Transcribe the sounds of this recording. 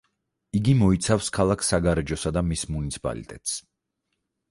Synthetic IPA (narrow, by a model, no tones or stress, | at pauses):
iɡimɔit̪sʰafskʰalˠakʰsaɡaɾɛd͡ʒɔsad̪amismunit̪sʰi̥pʼa̰lḭt̪ʼɛ̰t̪ʼs